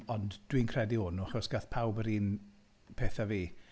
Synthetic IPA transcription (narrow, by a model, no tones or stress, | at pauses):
ɔndd̥winkʰrɛdiʊnʊaχɔsɡ̥aθpʰawbəɾiːn | pʰeːθaviː